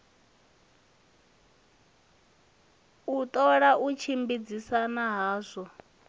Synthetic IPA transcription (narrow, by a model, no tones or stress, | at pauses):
ut̪ʼɔɺaʔut͡ʃʰimbid͡zisanaɦaːsɔ